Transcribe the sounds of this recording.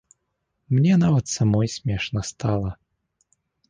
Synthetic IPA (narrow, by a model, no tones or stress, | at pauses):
mnʲɛnavɐt̪samɔjsʲmʲɛʂnɐst̪alˠɐ